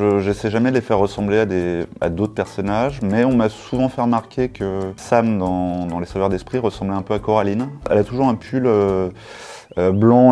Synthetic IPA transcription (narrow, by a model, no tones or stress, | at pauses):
ʒəʒɛsɛjʒamɛd̪əlefɛʁːəsɑ̃blead̪ea̰d̪ot̪χəpɛʁsɔnaʒmɛɔ̃masuvɑ̃fɛʁəmaʁkʲʰekʰəsamd̪ɑ̃d̪ɑ̃lesavœʁd̪ɛspχiʁəsɑ̃blɛɛ̃pøakɔʁalinɛ̰lat̪uʒuʁɛ̃pʰylø | øblɑ̃